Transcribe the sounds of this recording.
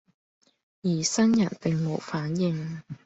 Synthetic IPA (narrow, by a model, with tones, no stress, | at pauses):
jiː˨˩sɐ˥njɐ˨˩nt̪ɪ˨ŋmo˨˧wfaː˨˥njɪ˨ŋ